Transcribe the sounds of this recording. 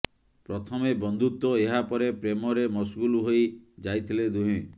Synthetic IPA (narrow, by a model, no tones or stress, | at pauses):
pɾɔt̪ʰɔmebɔnd̪ʱut̪ɔeɦapɔɾepɾemɔɾemɔsɡuluɦojd͡ʒajt̪ʰiled̪uɦĩ